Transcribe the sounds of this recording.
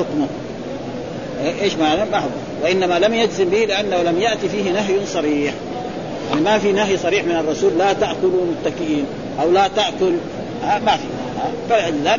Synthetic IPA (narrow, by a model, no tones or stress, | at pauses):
ʊkmʊ | ʔeʔeːʃmalammaħʊk | wɪʔɪnːamalamjadzɪmbihlɪʔanːahulamjaʔt̪ifiːhinaɦjsˤɑɾiːħ | ʔanimafinaɦjsˤɑɾiːħmɪnɨrˤːɑsuːlːat̪aʔkʊlumʊt̪ːakɪʔiːn | ʔawlat̪aʔkʊl | hamafiahabalʔaðaː